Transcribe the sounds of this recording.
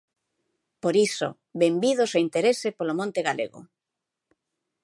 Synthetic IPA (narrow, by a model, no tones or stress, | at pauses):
poɾiso̰ | βembið̞osaint̪eɾesepolomõnt̪eɣalḛɣʊ̰